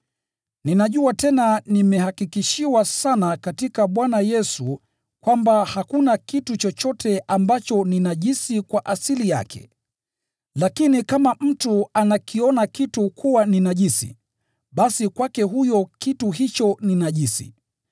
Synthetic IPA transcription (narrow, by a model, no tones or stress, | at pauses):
ninaʄuatɛnanimɛhakikiʃiwasanakatikaɓwanajɛsu | kwambahakunakitut͡ʃɔt͡ʃɔtʰɛʔambat͡ʃɔninaʄisikwaʔasilija̰kʰɛ̰ | lakinikamam̩tuanakiɔnakitukʰuwaninaʄisḭ | ɓasikwakɛɦujɔkituɦit͡ʃɔninaʄisḭ